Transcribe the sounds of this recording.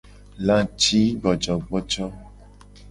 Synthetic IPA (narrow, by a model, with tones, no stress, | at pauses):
lã˦t͡ʃi˦ɡ͡bɔ˨d͡ʒɔ˨ɡ͡bɔ˦t͡ʃɔ˦